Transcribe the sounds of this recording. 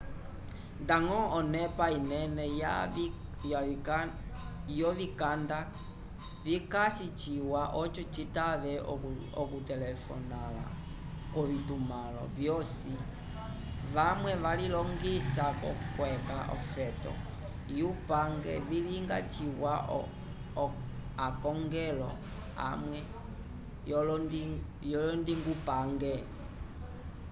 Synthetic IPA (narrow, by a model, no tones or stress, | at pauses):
ndaŋɔɔnɛpainɛnɛj | j | jɔʋikanda | vikasit͡ʃiwaʔɔt͡ʃɔt͡ʃitaʋɛ | ɔkutɛlɛfɔ̰nala̰ | kɔβitumalɔ̰vjɔsi | ʋamwɛʋalilɔŋɡisakɔ̰kwɛkaʔɔ̰fɛtɔ̰ | jupaŋɡɛ̰viliŋɡa̰t͡ʃiwa | akɔŋɡɛlɔ̰ | a̰mwɛ | jɔlɔndi | jɔlɔndiŋɡupaŋɡɛ